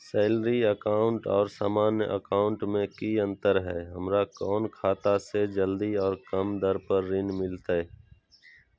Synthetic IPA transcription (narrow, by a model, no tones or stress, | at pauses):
sɛːlɾiəkaːʊ̃ɳʈɔːɾsaːmaːnjəʔə̰kaːʊ̃ɳʈmẽkiə̃nt̪əɾɦɛːɦəmɾakɔːnkʰaːt̪ased͡ʒəld̪iɔːɾkəmd̪əɾpəɾːɪnmɪlt̪aɛ